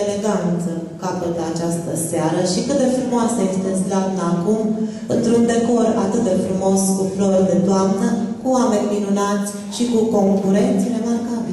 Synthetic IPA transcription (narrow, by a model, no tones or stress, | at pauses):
eleɡant̪səkapəlat͡ʃast̪əseaɾəʃikɨt̪̚d̪e̞fɾumoasəje̞st̪eslat̪ɨnakum | ɨnt̪ɾund̪e̞ko̞ra̰t̪ɨt̪̚d̪e̞fɾumo̞skufɾord̪e̞t̪oamnəkuame̞nʲminunat̪sʲ | ʃikuko̞ŋkuɾe̞nt̪siɾe̞markabi